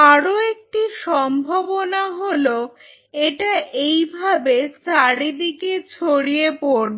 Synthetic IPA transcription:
aɾoek̚ʈiʃɔmbʱobonaɦolo | eʈaʔejbʱabesaɾid̪iket͡ɕʰoɽiepoɾ

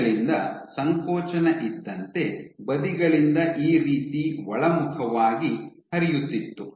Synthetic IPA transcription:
ɭind̪ɐsɐŋkʰoːt͡ʃɐnɐʔid̪ːɐnt̪e̞bɐd̪iɡɐɭind̪ɐʔiːɾiːt̪iʋɔɭɐmukʰɐʋaːɡihɐɾijut̪ːit̪ːu

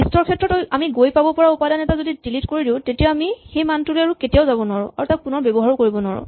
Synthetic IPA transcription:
istɔɹkʰɛtɹɔtojamiɡojpabɔpɔɹaupadanɛtazodidilitkoɹidiʊ̃tetijaamixejmantulɛaɹuketijaʊzabɔnwaɹʊ̰aɹutak̚punɔɹbɛbɔɦaɹkoɹibɔna̰ɹʊ̰

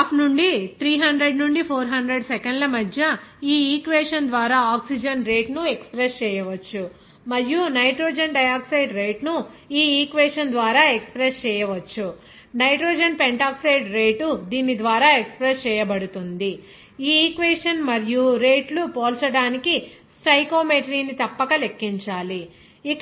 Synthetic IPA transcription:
pnuɳɖit̪ɾiːɦɐɳɖɾe̞ɖnuɳɖipʰoːɾɦɐɳɖɾe̞ɖsekeɳɖlɐmɐd̪ʱjɐiːiːkʋeːʂɐnd̪ʋaːɾaːaːksid͡ʒɐnɾe̞ːʈnuekspɾest͡ʃɛːjɐʋɐt͡ʃːu | mɐɾijunɐjʈɾoːd͡ʒɐnɖɐjaːksɐjɖɾeːʈnu | iːiːkʋeːʂɐnd̪ʋaːɾaːekspɾest͡ʃɛːjɐʋɐt͡ʃːu | nɐjʈɾoːd͡ʒɐnpeɳʈaːksɐjɖɾeːʈud̪iːnid̪ʋaːɾaːekspɾest͡ʃɛːjɐbɐɽut̪und̪i | iːiːkʋeːʂɐnmɐɾijuɾe̞ːʈlupoːlt͡ʃɐɽaːnikisʈɐjko̞ːmeːʈɐɾiːnːit̪ɐpːɐkɐle̞kːiɲt͡ʃaːli | ik

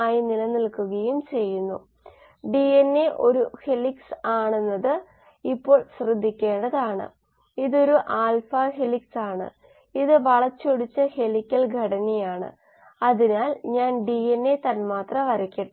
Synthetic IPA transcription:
aːjinilɐnilkuɣɐjumt͡ɕe̞jːunːṵ | ɖienːe̞ʔo̞ɾuheliksaːɳenːɐðɨ | ipːo̞ːɭɕrɨd̪ʱːikʲːe̞ːɳɖɐðaːɳɨ̰ | iðo̞ɾuʔaːlfɐheliksaːɳɨ̰ | iðɨʋɐɭɐt͡ɕːoɽit͡ɕːɐhe̞likʲːɐlɡʱɐɽɐnijaːɳɨ̰ | ɐðinaːlɲaːnɖienːe̞t̪ɐnmaːt̪rɐʋɐɾɐkʲːiʈː

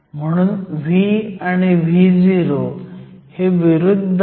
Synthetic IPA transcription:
m̤əɽ̃unʋianeʋʱid͡ziɾoheʋɪɾʊd̪ʱ

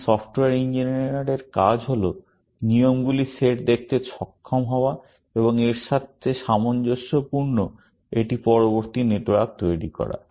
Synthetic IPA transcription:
sɔfʈoeeɾind͡ʑiniɾaɾeɾkad͡ʑɦolo | nijomɡuliseʈd̪ek̚ʰt̪et͡ɕʰɔkʰːomɦɔoa | eboŋeɾʃat̪ʰːeʃamond͡ʑoʃːopuɾno | eʈipɔɾoboɾt̪ineʈoak̚t̪ojɽikɔ̰ɾa̰

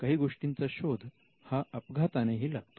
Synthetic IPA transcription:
kaɦiːɡoʂʈint͡saɕod̪ʱ | haʔəpɡʱat̪aneɦiːlaɡ̚t̪o

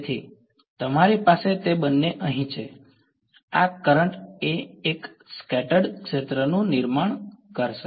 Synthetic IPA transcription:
t̪ʰi | t̪əmaɾipaset̪ebənːeʔəɦĩt͡ʃʰe | akəɾəɳʈeːk | skɛʈəɖkʃet̪ɾənũnɪɾmaɳ̃kəɾʃe

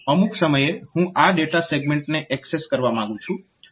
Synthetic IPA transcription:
əmuksəməjehũʔaɖeʈaseɡmẽɳʈneʔɛkseskəɾʋamãŋɡũt͡ʃʰũ

